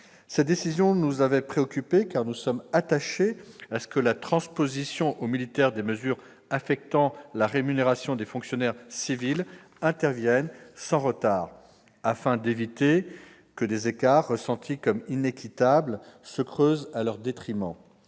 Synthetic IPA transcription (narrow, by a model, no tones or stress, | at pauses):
sɛt̪̚d̪esizjɔ̃nuzavɛpχeɔkʲypekaʁnusɔmat̪aʃeasə̥kəlat̪χɑ̃spozisjɔ̃ʔomilit̪ɛʁd̪eməzyʁ | afɛk̚t̪ɑ̃laʁemyneʁasjɔ̃d̪efɔ̃ksjɔnɛʁsivil | ɛ̃t̪ɛʁvjɛnsɑ̃ʁət̪aʁ | afɛ̃d̪evit̪e | kəd̪ezekaʁːəsɑ̃t̪ʰikɔminekʲʰit̪ablsəkχøzalœʁd̪et̪χimɑ̃